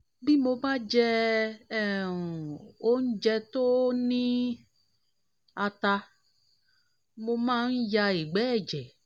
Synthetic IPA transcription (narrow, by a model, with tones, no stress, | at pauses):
bi˦mo˧ba˦d͡ʒɛ˧˦˨ | o˦n̩˦d͡ʒɛ˧to˦nĩ˦ | a˧ta˧ | mo˧mãː˦n̩˦ja˧e˨ɡ͡bɛ˦˨d͡ʒɛ˨